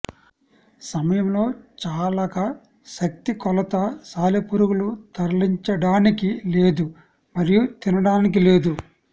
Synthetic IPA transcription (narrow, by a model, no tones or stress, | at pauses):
sɐmɐjɐmlo̞ːt͡ʃaːlɐkɐ | ʃɐk̚t̪ikɔlɐt̪ɐsaːlepuɾuɡulut̪ɐɾliɲt͡ʃɐɽaːnikile̞ːd̪u | mɐɾijut̪inɐɽaːnik̬ile̞ːd̪u